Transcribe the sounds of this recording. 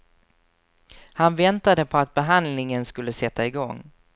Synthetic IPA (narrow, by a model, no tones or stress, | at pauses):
hanvɛnt̪ad̪əpʰɔat̪̚bɛɦand̪lɪŋənskɵlːəsɛt̪ːaɪɡɔŋː